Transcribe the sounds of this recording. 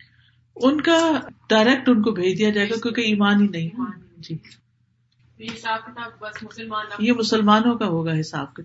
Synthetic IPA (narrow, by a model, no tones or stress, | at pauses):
ʊnkaɖaːɪɾɛk̚ʈʊnkobʱeːd͡ʒd̪ijad͡ʒaːeːɡakjõːkeiːmaːnɦinɐɦĩɦɛd͡ʒiː | jemʊsəlmaːnõkaɦoːɡaɦɪsa̰ːb̚ka